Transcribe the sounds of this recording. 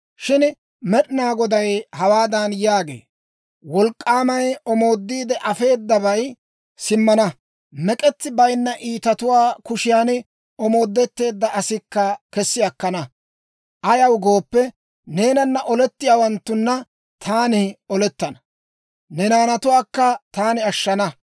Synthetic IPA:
ʃɪn | mɛɗɪnaːɡɔd̪ɐjhɐwaːd̪ɐnjaːɡe̞̰ː | wɔlkʼːaːmɐjɔmo̞ːd̪ːiːd̪ɛʔɐfe̞ːd̪ːɐbɐj | sɪmːɐnɐ | mɛkʼɛt͡s̪ːɪbɐjnːɐʔiːt̪ɐt̪ʊwaːkʊʃɪjaːn | ɔmo̞ːd̪ːɛt̪ːe̞ːd̪ːɐʔɐsɪkːɐkɛsːɪjɐkːɐnɐ | ʔɐjɐwɡo̞ːpːɛ | ne̞ːnɐnːɐʔɔlɛt̪ːɪjaːwɐnt̪ːʊnːɐ | t̪ʰaːnɪɔlɛt̪ːɐnɐ̥ | nɛnaːnɐt̪ʊwaːkːɐt̪aːnɪɐʃːɐnɐ

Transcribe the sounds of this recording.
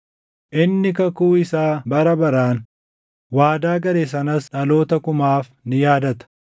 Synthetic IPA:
ʔɪnːɪkɐkuːɪsaːbɐɾɐbɐɾaːn | waːd̪aːɡɐɾes̬ɐnɐsᶑɐlo̞ːt̪ɐkʊmaːf | nɪjaːd̪ɐt̪ɐ̥

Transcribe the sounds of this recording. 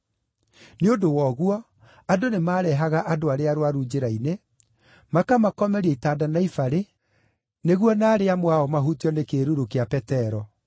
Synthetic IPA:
neodowɔɣwɔ | adonemaːɾɛɦaɣaʔadoaɾeaɾowaɾud͡ʑeɾaine | makamakɔmɛɾiaitaːdanaifaɾe | neɣwɔnaːɾeamwaɔmaɦutiɔnekeɾuɾokeapɛtɛɾɔ

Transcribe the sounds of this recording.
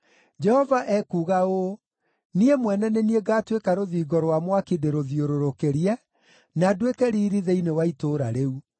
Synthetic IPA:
d͡ʒɛhɔvaʔɛkuːɣao | niemwɛnɛnenieɡaːtwekaɾoðiːɡɔɾwamwakideɾoðioɾoɾokeɾiɛ | nadwekɛɾiːɾiðeinewaitoɾa̰ɾeu

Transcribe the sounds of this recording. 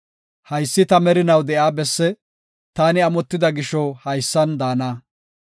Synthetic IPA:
hɐjsːɪt̪ɐmɛɾɪnɐwd̪ɛʔjaːbɛsːɛ | t̪aːnɪɐmɔt̪ːɪd̪ɐɡɪʃɔhɐjsːɐnd̪aːnaː

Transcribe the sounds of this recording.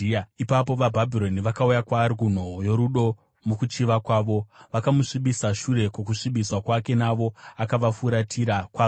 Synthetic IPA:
ipap̬o̞ʋabʱabʱilo̞niʋakaujakwaːɾikun̤o̞ojo̞ɾuɗo̞ | mukut͡ʃiʋakwaːʋo̞ʋakamuʂiɓisaʃure̞kokuʂiɓiswakwake̞naʋo̞akaʋafuɾatʰiɾakwa

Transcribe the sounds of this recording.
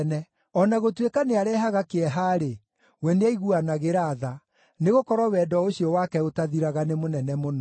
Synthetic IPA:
nɛ | ɔnaɣotwekaneaɾɛɦaɣakeɛɦaːɾe | wɛneaiɣuanaɣeɾaːða | neɣokɔɾɔwɛːdɔoɕiɔwakɛotaðiɾaɣanemonɛnɛmonɔ

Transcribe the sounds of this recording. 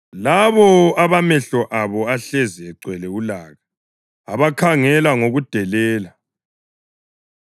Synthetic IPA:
laβɔaβamɛɬɔʔaβɔaɬɛziɛǀwɛlɛulaːɣa | a̰βakʰaŋɛlaŋoɣud̥ʱɛlɛːla

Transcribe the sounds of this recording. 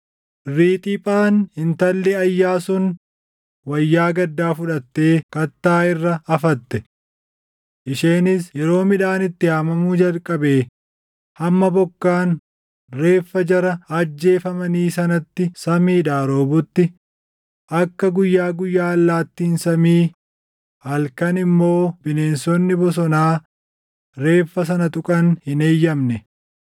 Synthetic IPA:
ɾiːt̪ʼɪpʼaːnhɪnt̪ɐlːɛɐjːaːsʊn | wɐjːaːɡɐd̪ːaːfʊᶑɐt̪ːeːkɐt̪ːaːɪrːɐɐfɐt̪ːɛ | ʔɪʃeːnɪsjɛɾo̞ːmɪᶑaːnɪt̪ːɪhaːmɐmuːd͡ʒɐlkʼɐbe̞ː | hɐmːɐbɔkːaːn | re̞ːfːɐd͡ʒɐɾɐɐd͡ʒːe̞ːfɐmɐniːsɐnɐt̪ːɪsɐmiːᶑaːɾo̞ːbʊt̪ːɪ | ʔɐkːɐɡʊjːaːɡʊjːaːɐlːaːt̪ːiːnsɐmiː | hɐlkɐnɪmːo̞ːb̥ɪne̞ːnsɔnːɪbɔs̬ɔnaː | ɾe̞ːfːɐs̬ɐnɐt̪ʼʊkʼɐnhɪneːjːɐmnɛ

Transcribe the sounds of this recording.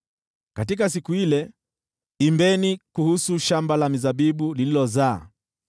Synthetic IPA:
katikas̬ikuilɛ | imbɛnikuhusuʃambalamizaɓiɓulililɔza̰ː

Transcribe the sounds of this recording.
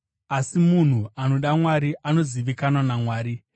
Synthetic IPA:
asimun̤uano̞ɗamwaɾiʔano̞ziʋikanwanamwaːɾi

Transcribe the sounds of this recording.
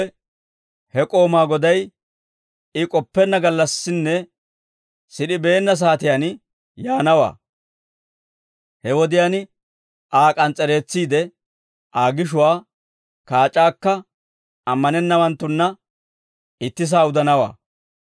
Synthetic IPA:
ɛ | hɛkʼo̞ːmaːɡɔd̪ɐj | ɪkʼɔpːɛnːɐɡɐlːɐsːɪnːɛ | sɪɗɪbe̞ːnːɐs̬aːt̪ɪjan | jaːnɐwa̰ː | hɛwɔd̪ɪjan | ʔaːkʼɐnt͡sʼɛɾe̞ːt͡sːiːd̪ɛ | ʔaːɡɪʃ̬ʊwaː | kaːt͡ʃʼːaːkːɐ | ɐmːɐnɛnːɐwɐnt̪ːʊnːɐ | ɪt̪ːɪs̬aːʊd̪ɐnɐwa̰ː

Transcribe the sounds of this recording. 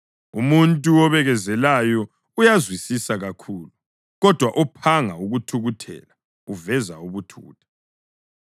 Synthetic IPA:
umuntʼuɔβɛɣɛzɛlajɔ | ujazwisisaɣakʰuːlu | ɣɔd̥ʱwaʔɔpʰaŋauɣutʰuɣutʰɛ̰ːla | uvɛzauβutʰṵːtʰḁ

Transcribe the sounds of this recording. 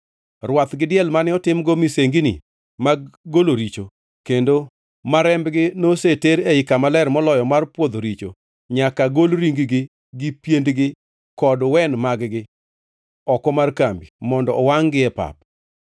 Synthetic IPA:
rwat̪ɡɪdɪɛlmanɪɔtɪmɡɔmiseŋɡinɪ̰ | maɡɡoloɾit͡ʃo | kendo | maɾɛmbɡɪnoseteɾeɪkamalɛɾmɔlɔjɔmarpwod̪oɾit͡ʃo̰ | ɲakaɡolɾiŋɡiɡɪ | ɡɪpjendɡɪ | kɔdwɛnmaɡɡɪ | ɔkɔmarkambimɔndɔɔwaŋɡɪɛpa̰p̚

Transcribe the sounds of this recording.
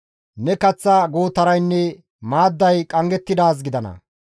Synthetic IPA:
nɛkɐt͡sːɐɡoːt̪ɐɾɐjnːɛ | maːd̪ːɐjkʼɐŋɡɛt̪ːɪd̪aːs̬ɡɪd̪ɐnɐ̰

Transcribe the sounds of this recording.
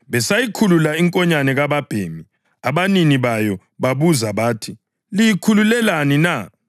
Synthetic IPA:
βɛsajikʰululaiŋkʼɔɲanɛɣaβab̥ʱeːmi | aβaniniβajɔ | βaβuzaβaːtʰi | lijikʰululɛlanina

